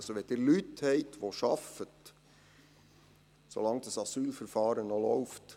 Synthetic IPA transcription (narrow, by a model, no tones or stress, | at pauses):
soʋɛd̥ɪːɾlythɛɪtʋoʃɑfət | so̰lɑŋd̥̪əsɑsyːlfəɾfɑːɾənolɔʊft